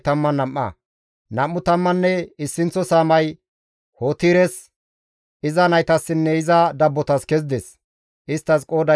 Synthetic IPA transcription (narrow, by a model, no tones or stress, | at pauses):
t̪ɐmːɐnɐmːɐ̰ | nɐmːʊt̪ɐmːɐnːɛɪsːɪnt͡sːɔsaːmɐj | hoːt̪iːɾɛs | ɪzɐnɐjt̪ɐsːɪnːɛɪzɐd̪ɐbːɔt̪ɐskɛz̬d̪ɛs | ʔɪst̪ːɐskʼo̞ːd̪ɐ